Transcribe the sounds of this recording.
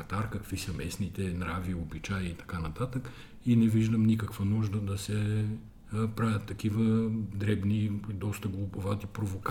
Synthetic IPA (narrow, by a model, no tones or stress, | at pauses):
ɐt̪aɾkɐkvisɐmɛsnit̪ɛnɾaviobit͡ʃajit̪ɐ̥kanɐt̪at̪ək | inɛviʒd̪əmnikəkvənuʒd̪əd̪ɐsɛ | pɾavʲɐt̪ːɐkivəd̪ɾɛbnid̪ɔst̪əɡlˠʊbovat̪ipɾovok